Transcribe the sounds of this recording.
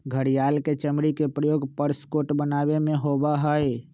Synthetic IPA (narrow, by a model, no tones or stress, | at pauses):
ɡʱəɾijalket͡ʃəmɾikepɾəjoɡpəɾskoʈbənaβemeɦobaɦəj